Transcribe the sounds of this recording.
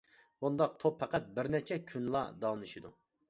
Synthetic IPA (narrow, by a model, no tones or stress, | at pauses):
bund̪ɑq̚t̪ʰopʰːɛqæt̪̚bɪɾnɛt͡ʃʰɛkʲʰynlˠɑ̰d̪ɑːnɨʃid̪u